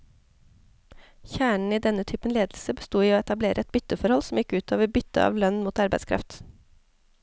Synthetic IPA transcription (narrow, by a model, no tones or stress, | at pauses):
çæːɳɳ̩iːd̪ɛnət̪ʰyːpənleːd̪l̩səbəst̪uːiːoːɛt̪ɑbleːɾʔəɛt̪̚bʏt̪əfɔɾhɔlsm̩jɪkʉːt̪ʰɑːʋəɾbʏt̪ə̰ɑ̰ːʋlœnmuːt̪ɑɾbæ̰ɪskʰɾɑ̰ft̪